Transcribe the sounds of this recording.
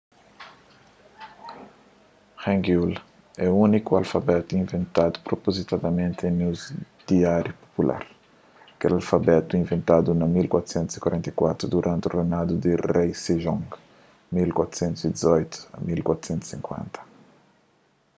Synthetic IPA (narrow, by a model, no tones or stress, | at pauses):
hɛ̃ŋɡul | ɛuunikualfabɛt̪uĩɱvẽnt̪ad̪u̥pɾopozit̪ad̪ɐmẽnt̪ẽnewz | d̪̥iaɾjupo̥pulʔa̰ɾ | kɛlalfabɛt̪uĩɱvẽnt̪ad̪unɐmilkwat̪u̥sẽnt̪uz̥i̥kwaɾẽnt̪ɐjkwat̪ɾud̪uɾʔãnt̪urenad̪ud̪ɪrejseʒɔ̃ŋ | milkwat̪ɾu̥sẽnt̪uzid̪izɔjt̪u̥ɐ̰milkwat̪ɾu̥sẽnt̪u̥sĩŋkwḛ̃nt̪ɐ̥